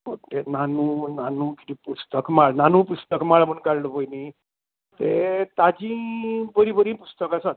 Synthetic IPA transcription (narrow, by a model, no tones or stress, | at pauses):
ot̪enanunanuki̥t̪ipust̪əkmaɭnanupust̪əkmaɭməɳkaɾləpəjni | t̪et̪ad͡ʑĩbəɾibəɾĩpust̪əkasat̪